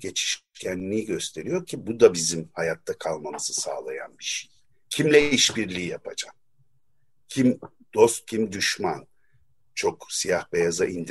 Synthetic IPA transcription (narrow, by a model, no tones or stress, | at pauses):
ɟe̞t͡ʃʰi̥ʃcʰænniiɟø̞st̪ʰe̞ɾijo̞ɾcʰibud̪abizimhajat̪ʰːakʰalˠmamɯzɯsa̰ːlˠaja̰nbiʃej | cʰimlʲɛiʃbiɾlʲiːjapʰa̰d͡ʒam | cʰim | d̪̥o̞st̪̚cʰimd̪yʃman | t͡ʃʰo̞ksijahbejazaʔind̪